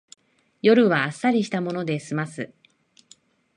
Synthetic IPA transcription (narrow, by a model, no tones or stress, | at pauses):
jo̞ɾɯ̟βaːsːaɾʲiɕi̥t̪amo̞no̞d̪e̞sɨmasɨ